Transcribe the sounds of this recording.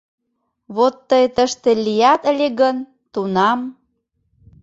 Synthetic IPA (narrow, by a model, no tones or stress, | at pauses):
βot̪ːəjt̪əʃt̪elijæt̪əlʲeɣən | t̪unɑm